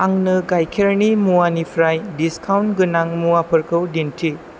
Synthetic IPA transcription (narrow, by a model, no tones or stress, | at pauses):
aŋnɯɡajkʰeɾnimuwanipʰɾajdiskʰawntɡɯnaŋmuapʰɐɾkʰɯwdintʰi